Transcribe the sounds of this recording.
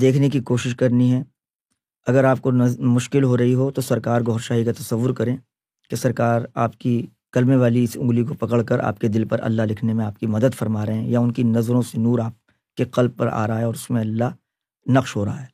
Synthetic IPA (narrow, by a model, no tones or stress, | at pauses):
d̪eːkʰnek̬ikoːʃɪʃkɐɾniɦɛː | ɐɡəɾaːp̚konɐmʊʃkɪlɦoɾɐɦiɦot̪osɐɾkaːɾɡɔːɾʃaːɦikat̪ɐsɐʋːʊɾkɐɾẽː | kesɐɾkaːɾaːp̚ki | kɐlmeʋaːliɪsʊ̰̃ŋɡlikopɐkəɽkɐɾʔa̰ːp̚ked̪ɪlpɐɾʔɐ̰lːaɦlɪkʰnemẽaːp̚kimɐd̪əd̪fɐɾmaːɾɐɦɛ̃jaʊnkinɐzɾõsenuːɾaːp̚ | keqɐlb̚pɐɾʔa̰ːɾɐɦaːɦeɔːɾʊsmẽɐlːaɦ | nɐqʃɦoɾɐɦaɦɛː